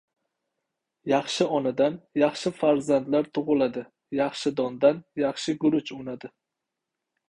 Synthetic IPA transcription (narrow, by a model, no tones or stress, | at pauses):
jɑχʃɪɒnad̪anjɑχʃɪfaɾzand̪laɾt̪ʰʊʁʊlad̪ɪ | jɑχʃɪd̪ɒnd̪anjɑχʃɪɡʊɾʊt͡ʃʊnad̪ɪ